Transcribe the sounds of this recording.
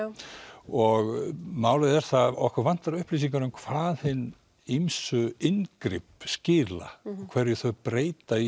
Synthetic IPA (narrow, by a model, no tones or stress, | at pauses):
ɔɣmaːwlaðɛɾ̥θaɔhkaɾvan̥t̪aɾaʏhpliːs̬iŋkanʏmkʰv̥aːðhɪnː | ijmsʏɪnkɾɪpscɪːla̰kʰv̥ɛɾjʏθœɥpɾeːjt̪ai